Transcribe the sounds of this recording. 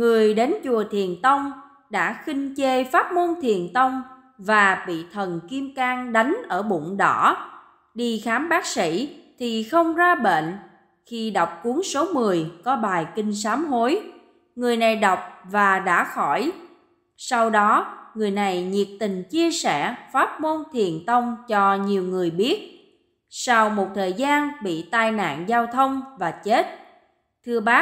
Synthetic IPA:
ŋɨ˨˩əjɗe˨˦nt͡ɕu˨˩ət̪ʰi˨˩ənt̪ə˧wŋ͡m | ɗa̰ː˧˥xi˧ŋ̟t͡ɕe˧faː˦˥t̚mo˧nt̪ʰi˨˩ənt̪ə˧wŋ͡m | vaː˨˩ɓḭ˧˨t̪ʰə˨˩nki˧əmkaː˧ŋɗa˨˦jŋ̟ʔəː˧˩ɓṵ˧˨nɗɔ̰˧˩˥ | ɗi˧˩xaː˨˦mɓaː˦˥k̚sḭ˧˥t̪ʰi˨˩xə˧wŋ͡mzaː˧ɓḛ˧˨n | xi˧ɗa˨˩wk͡p̚ku˨˦əŋso˨˦mɨ˨˩əjkɔ˨˦ɓaː˨˩jkï˧ŋ̟s̬aː˨˦mɦo˨˦j | ŋɨ˨˩əjna˨˩jɗa˨˩wk͡p̚vaː˨˩ɗa̰ː˧˥xɔ˧˩j | sa˧wɗɔ˨˦ŋɨ˨˩əjna˨˩jɲi˨˩ək̚t̪ï˨˩ŋ̟t͡ɕi˧əsɛ̰˧˩faː˦˥t̚mo˧nt̪ʰi˨˩ənt̪ʰə˧wŋ͡mt͡ɕɔ˧ɲi˨˩əwŋɨ˨˩əjɓi˦˥ət̚ | sa˧wmo˨˩t̚t̪ʰəː˨˩jzaː˧nɓḭ˧˨t̪aː˧jna̰ː˧˨nzaː˧wt̪ʰə˧wŋ͡mvaː˨˩t͡ɕe˦˥t̚ | t̪ʰɨ˧əɓaː˦˥

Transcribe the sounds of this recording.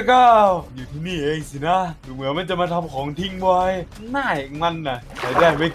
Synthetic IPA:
kaː˧˩wjuː˨˩t̪ʰiː˥˩niː˧˥˩ʔeː˧ŋsi˨˧˦na˦˥dɯː˨˦mɯ˨˩˦nma˧˥nt͡ɕa˨˩maː˧t̪ʰa˧mkʰɔː˩˦ŋt̪ʰi˧˥˩ŋwɔ˧j | naː˥˩jŋa˧nːa˧˩kaː˨˧˩daː˥˩jma˥˩j

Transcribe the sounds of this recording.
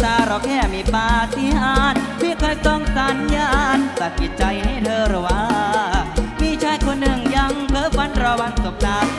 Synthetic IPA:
saː˧˩ɾɔ˨˧˥kʰɛː˧˩miː˧˩paː˧si˧˦ʔaː˧˩n | pʰiː˧˥˩kʰɔː˧˩jt̪ɔ˧˩ŋsa˨˦njaː˧˩nsa˨˩t̪̚ki˨˩t̪̚t͡ɕa˧jha˥˩jt̪ʰɤː˧ɾa˨˧˩waː˧˥˧miː˧˥t͡ɕʰaː˧˥jkʰo˧nːɯ˨˩ŋja˧ŋpʰɤː˧˥fʰa˧˥nɾa˧wa˧ŋso˨˩p̚d̪aː˧˥w

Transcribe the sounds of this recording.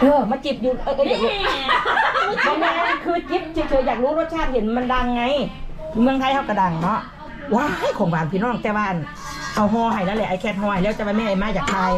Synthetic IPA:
ʔɯː˧˩maː˧˥˨t͡ɕi˧˩p̚juː˧ʔɤː˧˨ʔɤː˧˩aː˨˩klo˧˦ | bɔː˧maː˧kʰɯː˧t͡ɕi˨˦˥p̚t̪ʰi˧˩t̪ʰɤː˧˩jaː˨˩k̚ɾuː˧˦˥ɾo˧˦t̚t͡ɕʰaː˧˩he˨˦nma˧˥nda˧˩ŋːa˧˥˨j | mɯ˧əŋt̪ʰa˧˨jha˧˩wka˧˩da˨˩ŋnɔ˦˧˥ | waː˧˩ha˧˨jkʰɔː˨˦ŋbaː˨˩ŋpʰiː˧˨nɔː˧˩ŋt̪ɛː˧waː˧ʔa˨˩n | ʔa˧˩wɦɔː˧ha˨˩jna˧˥nlɛː˧˩ʔa˧˨˩jkʰɛː˧˩p̚hɔː˧ha˨˩jlɛː˧˩˨t͡ɕa˧˨maː˧mɛː˧˩ʔa˨jmaː˧˩jaː˨˩k̚taː˧j

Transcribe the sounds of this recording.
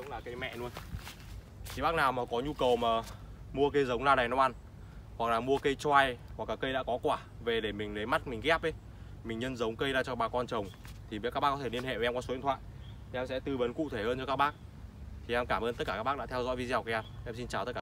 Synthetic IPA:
ɗə̰˨˦wŋ͡mlaː˨˩kə˨˧jmɛ̰˧˨nu˧əj | t̪ʰi˨˩ɓaː˦˥k̚naː˨˩wmaː˨˩kɔ˨˦ɲu˧kə˨˩wmaː˨˩mu˧əkə˧jzə˨˦wŋ͡mzaː˧na˨˩jnɔ˧wʔa˧˩n | wa˨˩k̚laː˨˩mu˧əkə˧jt͡ɕwa˧jwa˨˩klaː˨˩kːə˧jɗa̰˧˥kɔ˨˦kwaː˧˩ve˨˩ɗe˧˩mï˨˩ŋ̟lə˨˦jma˦˥t̚mï˨˩ŋ̟kɛ˦˥p̚ʔə˨˦j | mï̟˨˩ɲə˧nzə˨˦wŋ͡mkə˧jzaː˧t͡ɕɔ˧ɓaː˨˩kɔ˧nt͡ɕə˨˩wŋ͡m | t̪ʰi˨˩˨kaː˦˥k̚ɓaː˦˥kɔ˨t̪ʰe˧˩li˧ənhḛ˧˨ɛ˧mka˨˦sjnt̪ʰwa̰ː˧˨j | t̪ʰi˨˩ʔɛ˧msɛ̰˧˥t̪ɨ˧və˨˦nkṵ˧˨t̪ʰe˧˩həː˧nt͡ɕɔ˧kaː˦˥k̚ɓaː˦˥k̚ | t̪ʰi˨˩ʔɛ˧mkaː˧˩mʔəː˧nt̪t̚kaː˧˩aː˦˥ɓ̚ːɗa̰˧˥t̪ʰɛ˧wzɔ̰˧˥jvi˧˦zːwka˧jʔɛ˧mʔɛ˧msi˧nt͡ɕaː˨˩wt̪ə˦˥kaː˧

